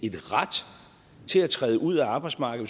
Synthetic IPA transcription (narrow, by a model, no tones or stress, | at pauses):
e̝d̥ʁad̥ | t͡sʰe̝læt͡sʰʁɛːðˠəʔuð̞̰ˠæɑ̈ːb̥ɑ̈ɪ̥smɑ̈ːɡ̥ð̩ˠ